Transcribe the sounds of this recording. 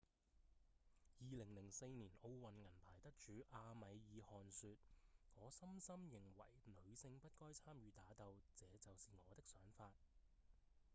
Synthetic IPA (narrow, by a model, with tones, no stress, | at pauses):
jiː˨˧lɪ˨˩ŋlɪ˨˩ŋse˧jniː˨˩no˧wwɐ˨nŋɐ˨˩npʰaː˨˩jt̪ɐ˥k̚t͡ʃyː˨˧ʔaː˧mɐ˨˧jjiː˨˧hɔː˨nsyː˧t̚ŋɔː˨˧sɐ˥msɐ˥mjɪ˨˩ŋwɐ̰˨˩jlɵ˨˧˥ɥsɪ˧ŋpɐ˥t̚kɔː˥jt͡sʰaː˥mjyː˨˧t̪aː˨˥t̪ɐ˧wt͡sɛː˨˧t͡sɐ˨wsiː˨ŋɔː˨˧t̪ɪ˥k̚sœː˨˥ŋfaː˧t̚